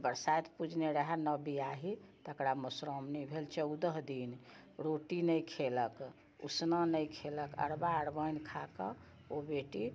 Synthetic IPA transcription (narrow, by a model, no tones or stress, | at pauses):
bəɾsajt̪ʰpud͡ʒʱneɾəɦɛnəbiaɦit̪əkɾaməsɾɔmnibʱelt͡ʃəud̪əɦd̪in | ɾoʈinəjkʰelək | ṵsnanəjkʰeləkə̰ɾbaəɽbəjnkʰakə | obeʈi